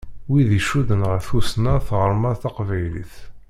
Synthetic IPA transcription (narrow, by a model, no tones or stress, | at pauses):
wiðiʃuðənʁəθusnæθʁəɾˤmæθɑqvæjlḭθ